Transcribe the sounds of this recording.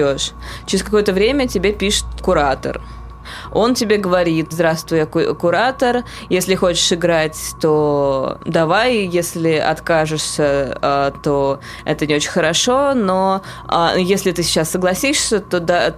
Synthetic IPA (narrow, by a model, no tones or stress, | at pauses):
oʂt͡ɕɪɾʲɪs̬ʲkɐko̞jət̪əvɾʲemʲətʲɪbʲepʲiʂɨ̥t̪kʊɾat̪ə̰r | o̞ntʲɪbʲeɡəvɐɾʲit̪zd̪ɾast̪vʊjəkʊ̰kʊɾat̪ər | jesʲlʲɪxo̞t͡ɕɪ̥ʂɨɡɾatʲt̪o̞d̪ɐvajjesʲlʲɪɐ̰t̪kaʐɨʂsʲəat̪o̞ | ɛ̰t̪ənʲɪo̞t͡ɕɪnʲxəɾɐʂono | a̰jesʲlʲɪt̪ɨsʲɪ̥t͡ɕasːəɡlˠɐsʲiʂsʲət̪od̪a